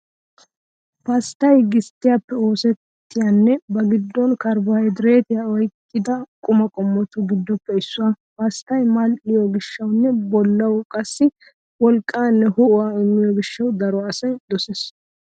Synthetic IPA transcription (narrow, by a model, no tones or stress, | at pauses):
pɐst̪ɐjɡɪst̪ːɪjapːɛo̞ːsɛt̪ːɪjanːɛbɐɡɪd̪ːɔnkɐɾbɐhɐjd̪ɾe̞ːt̪ɪjaɔjkʼːɪd̪ɐkʼʊmɐkʼɔmːɔt̪ʊɡɪd̪ːɔpːɛɪsːʊwɐ | pɐst̪ɐjmɐlʔɪjɔɡɪʃːɐwnːɛbɔlːɐwkʼɐsːɪ | wɔlkʼːaːnːɛhʊwaːɪmːɪjɔɡɪʃːɐwd̪ɐɾɔɐsɐjd̪ɔses